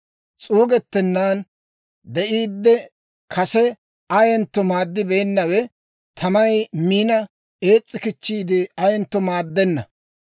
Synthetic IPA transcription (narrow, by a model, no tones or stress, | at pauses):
t͡sʼuːɡɛt̪ːɛnːaːn | d̪ɛʔiːd̪ːɛ | kʰɐsɛ | ɐjɛnt̪ːɔmaːd̪ːɪbɛjɛnːɐwɛ | t̪ʰɐmɐnɐjmiːnɐ | eːt͡sʼːɪkɪt͡ʃːiːd̪ɪɐjɛnt̪ːɔmaːd̪ːɛnːɐ̰